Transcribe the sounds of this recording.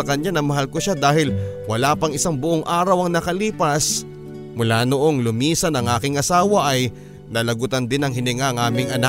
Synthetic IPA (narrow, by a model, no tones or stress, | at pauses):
ɐkɐɲanɐmɐɦalkoʃad̪aːhɪlwɐlaːpɐŋɪsaŋbʊʔoŋʔaːɾɐwɐŋnɐkɐliːpɐs | mʊlaːnoʔo̞ŋlʊmiːsɐnɐŋʔaːkɪŋɐsaːwɐʔɐj | nɐlɐɡut̪ɐnd̪ɪnɐŋɦɪnɪŋaɐŋʔaːmɪŋɐna